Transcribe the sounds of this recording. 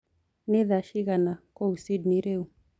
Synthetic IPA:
niðaʃiɣanakɔusidniɾeu

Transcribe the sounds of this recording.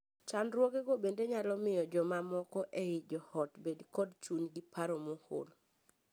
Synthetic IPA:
t͡ʃanɾwoɡeɡobendeɲalɔmɪjɔd͡ʒɔmamɔkɔʔeid͡ʒɔhɔtbedkɔdt͡ʃuɲɡipaɾomoho̰l

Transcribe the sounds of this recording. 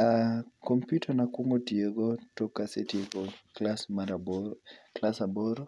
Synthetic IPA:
akɔmpjutʰanakwoŋɡotieɡɔtɔkasetiekɔlasmaɾabɔklasabɔɾɔ

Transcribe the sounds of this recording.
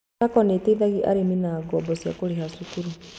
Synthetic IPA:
akɔneteiðaɣiʔa̰ɾeminaːɡɔbɔsja̰koɾeɦasukuɾu

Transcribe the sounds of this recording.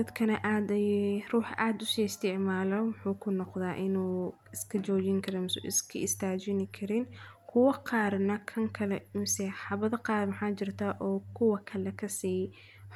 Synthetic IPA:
d̪ɐd̪kʰɐnɐʔaːd̪ɐjruːħʔaːd̪ʊsiːɪst̪ʰɪʕmaːlɔwʊħuːkʰʊnɔqðaːʔɪnuː | ɪskʰɐt͡ʃɔːt͡ʃɪŋkʰɐɾɛmsɪskʰɐɪst̪ʰaːt͡ʃɪnɪkʰɐɾɪnkʰʊwɐqɑːɾnɐkʰɐŋkʰɐlɛmsiħɑβɐðɐqɑːrmɐħaːt͡ʃɪrt̪ʰaːʔɔːkʰʊwɐkʰɐlɛkʰɐsiː

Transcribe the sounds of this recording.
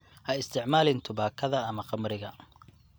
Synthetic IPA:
hɐɪst̪ʰɪʕmaːlɪnt̪ʰʊbaːkʰɐðɐɐmɐqɑmɾɪɣɐ

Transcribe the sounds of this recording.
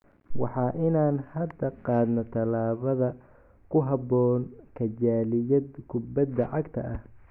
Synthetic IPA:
wɑ̰ħɑːʔɪnaːnhɐd̪ɐqɑːd̪nɔt̪ʰɐlaːβɐðɐ | kʰʊɦɑbɔːnkʰɐt͡ʃaːlɪjɐd̪kʰʊbɐd̪ːɐʕɑɡt̪ʰɐ̰ʔɐh

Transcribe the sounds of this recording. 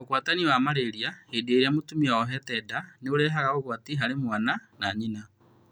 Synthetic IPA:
okwataniwamaɾeɾiahedeeɾeamotumiaɔɦɛtɛdaneoɾɛɦaɣaɣoɣwatiɦaɾemwananaːɲina

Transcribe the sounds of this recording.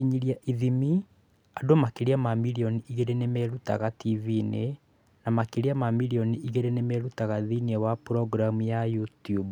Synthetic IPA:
iɲiɾiaʔiðimi | adomakeɾiamamiɾiɔniʔiɣeɾenemɛɾuta̰ɣativine | namakeɾiamamiɾiɔniʔiɣeɾenemɛɾutaɣaðiniɛwapuɾɔɡɾamujajutjub

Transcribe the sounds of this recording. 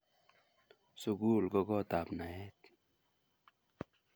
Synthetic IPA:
suɡuːlɡoɡɔt̪aːpnaɦet̪

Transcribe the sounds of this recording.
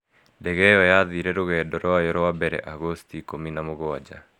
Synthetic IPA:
ndɛɣɛjɔjaðiɾɛɾoɣɛːdɔɾoajɔɾoabɛɾɛ̰ʔaɣostikominamoɣoad͡ʒa̰

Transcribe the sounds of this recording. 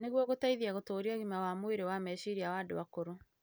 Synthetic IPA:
neɣwɔɣotaiðiaɣotoːɾiɔɣimawamoeɾewamɛɕiɾiawado̰wakoɾo

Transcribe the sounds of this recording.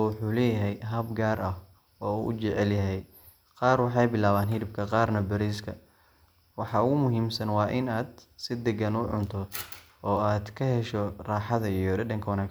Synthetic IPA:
wʊħuːlɛːjɐɦɛjɦɐbɡaːrʔɐh | ɔːuːʔʊ̰t͡ʃɛʕɛljɐɦɛj | qɑːrwɑħɑjbɪlaːβaːnɦɪɾɪb̚kʰɐqɑːrnɐbɐɾiːskʰɐ | wɑħɑʊɣʊmʊɦiːmsɐnwɑːʔɪnaːd̪sɪd̪ɐɡɐnʊʕʊ̰nt̪ʰɔ | ɔːaːd̪kʰɐɦɛʃɔraːħɑðɐijɔɖɛdɐŋkʰɐwɑnaːk

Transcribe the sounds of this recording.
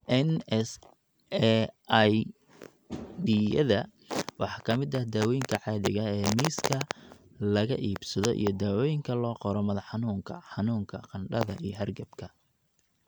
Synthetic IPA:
ʔɛnɛs | j | ɖijɐðɐ | wɑħɑkʰɐmɪd̪ɐhd̪aːwɔjɪŋkʰɐʕɑːðɪ̰ɣɐɛːmiːskʰɐ | lɐɣɐ̰ʔiːbsɐðɔʔḭjɞd̪aːwɔjɪŋkʰɐlɔːqɔɾɔmɐðɐħɑnuːŋkʰɐħɑnuːŋkʰɐqɑnɖɐðɐ̰ʔijɞɦɐrɡɐbkʰɐ

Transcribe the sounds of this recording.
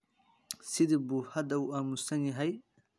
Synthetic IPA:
sɪðibuːhɐd̪ɐuːʔaːmusɐnjɐɦɛj

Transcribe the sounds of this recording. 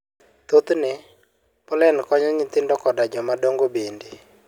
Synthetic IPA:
t̪ot̪nɪ | pɔlɛnkɔɲɔɲɪt̪ɪndɔkɔdad͡ʒɔmadoŋɡobende

